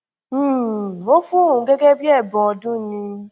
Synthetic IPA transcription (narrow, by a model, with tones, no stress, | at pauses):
wo˦fũ˦˨ũ˨ɡɛ˦ɡɛ˦bi˦ɛ˦˨bɔ̃˨ɔ˧dũ˦nĩ˧